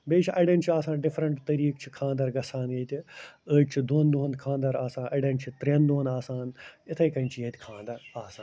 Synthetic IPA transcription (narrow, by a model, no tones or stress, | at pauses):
beːt͡ʃʰʔɐɖɐnt͡ʃʰiaːsãːnɖɪfɾɐɳʈt̪ɐɾiːkt͡ʃʰikʰãːnd̪ɐɾɡɐsãːneːt̪ʲiəːd͡ʒt͡ʃʰid̪oːnd̪uɦɐnkʰãːnd̪ɐɾaːsãːnʔɐɖɐnt͡ʃʰit̪ɾɐnd̪uːɐnaːsaːnɪt̪ʰɐjkɐnʲt͡ʃʰijeːt̪ʲkʰãːnd̪ɐɾaːsãːn